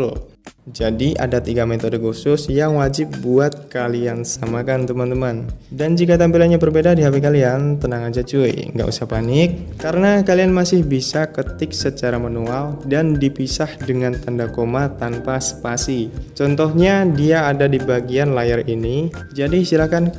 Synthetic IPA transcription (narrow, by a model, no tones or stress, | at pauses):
d͡ʒadiʔa̰dat̪iɡamet̪ɔdəɡusʊsjaŋwad͡ʒɪp̚buat̪̚kaliansamakant̪əmant̪əmandand͡ʒikat̪ampilanɲabərbedadiɦapekaliant̪ənaŋad͡ʒat͡ʃuḭŋɡa̰ʔṵsahpanɪk̚ːaɾənakalianmasɪhbisakət̪ɪksət͡ʃaɾamanualdandipisahdəŋant̪andakomat̪anpasə̥pasit͡ʃɔnt̪ɔhɲadiaːdadibaɡianlajərini | d͡ʒadisiɾahkan